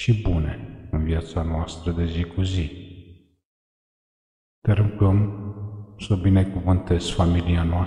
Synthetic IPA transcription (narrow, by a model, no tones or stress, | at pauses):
ʃibuneɨnvijat̪sanoast̪ɾəd̪e̞zikuzi | t̪eɾɨmkəm | səbinekuvɨnt̪ez̥familianoa